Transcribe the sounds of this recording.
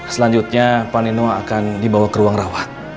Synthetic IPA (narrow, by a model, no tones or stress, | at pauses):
səlaɲd͡ʒut̪̚ɲapaninoakandibawakəɾuaŋrawat̪̚